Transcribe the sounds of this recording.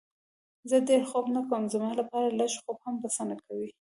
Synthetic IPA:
zəd̪eɾxobnakəmzamɑlapɑɾalaʃxobhambasanakawi

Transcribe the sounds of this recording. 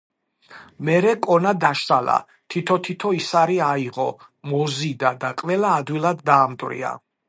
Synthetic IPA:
mɛɾɛkʼɔnad̪aʃt̪ʼala̰ | t̪ʰit̪ʰɔt̪ʰit̪ʰɔisaɾiaiʁɔ | mɔzid̪ad̪aqʼvɛlaːd̪wilˠad̪ːaːmd̪ʼwɾḭa̰

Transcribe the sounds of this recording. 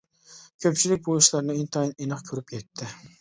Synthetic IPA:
kʲʰøpt͡ʃʰilɪk̚ʲbojuʃlˠɑɾnɨint̪ʰɑjninɨχkʲʰøɾypjɛt̪ʰːɪ

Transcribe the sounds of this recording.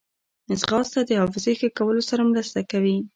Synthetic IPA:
ɪzɣɑst̪ad̪əhɑfɪzejxəkawəlosaɾamɾəst̪akawi

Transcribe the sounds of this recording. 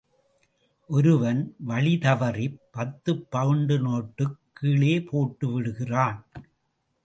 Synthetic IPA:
ʔɔɾɯʋɐnʋɐɭɪt̪ɐʋɐrɪpːɐt̪ːɯpːɐʋɯɳɖɯnoːʈːɯkʰːiːɭeːpʰoːʈːɯʋɪɽɯɣɪraːn

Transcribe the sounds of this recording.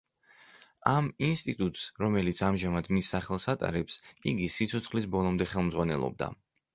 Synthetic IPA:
aminst̪ʼit̪ʼut̪ʼsɾɔmɛlit̪sʰamʒamad̪misːaχɛlˠsat̪ʼa̰ɾɛpsiɡisit̪sʰɔt̪sʰχlisbɔlˠɔmd̪ɛχɛlˠmd̪zʁwanɛlˠɔ̰b̚d̪a̰

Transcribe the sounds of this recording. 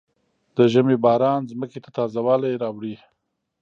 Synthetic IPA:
d̪̥əʒamebɑːɾɑːnzməket̪at̪ɑːzawɑːlajɾɑwɽi

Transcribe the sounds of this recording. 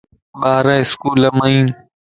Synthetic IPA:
ɓaːɾãɪskuːləmaĩː

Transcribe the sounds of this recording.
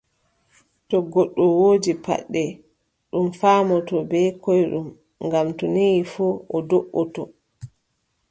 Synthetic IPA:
tɔɡɔɗːɔwoːd͡ʒipa̰ɗːɛ | ɗumfaːmɔtɔbɛkɔjɗum | ŋɡamtɔnijifuɔdoʔːɔtɔ

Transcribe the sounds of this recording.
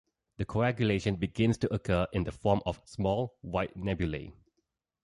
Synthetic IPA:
dəkʰoæɡjuleʃə̃nbiɡɪ̃nstuʔəkʰəʔɪ̃ndəfɔmɔfsmɔlwaɪt̚nɛbjulḛ

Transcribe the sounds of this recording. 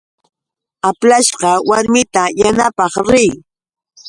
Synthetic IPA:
aplaʃɢɑwaɾmɪt̪ajanapɑχɾɪj

